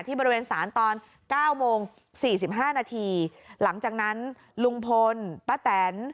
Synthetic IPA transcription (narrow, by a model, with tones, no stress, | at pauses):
t̪ʰiː˥˩bɔː˧ɾi˧weː˧nsaː˩˦nt̪ɔː˧n | kaː˥˩wmoː˧ŋ | siː˨˩si˨˩p̚ɦaː˥˩naː˧t̪ʰiː˧la˩˦ŋt͡ɕaː˨˩k̚na˦˥n | lu˧ŋpʰo˧npaː˥˩t̪ɛː˩˦n